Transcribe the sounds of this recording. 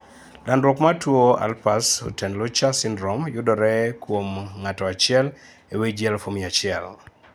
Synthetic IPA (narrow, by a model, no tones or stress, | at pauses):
landɾɔkmatwoa̰lpaso̰tɛnlot͡ʃasɪndɾɔmjʊdɔɾɛkwomŋatɔat͡ʃɪɛl | ewed͡ʒjɛlfomiat͡ʃɪɛl